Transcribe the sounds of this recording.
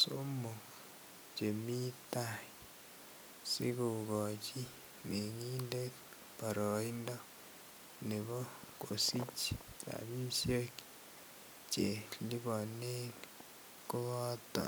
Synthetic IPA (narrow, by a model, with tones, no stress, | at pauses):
so˦mo˨ | t͡ʃe˨mi˦ta˦i | si˦ku˨ɡo˨t͡ʃi˦ | ne˨ŋiː˦nde˦k | pa˨ɾo˨i˦ndɔ˦ | ne˨βo˦ko˨si˦t͡ʃi | a̰˨βi˦sje˦k | t͡ʃe˨li˦βo˨ne˦ | ko˦βa˦to̰˨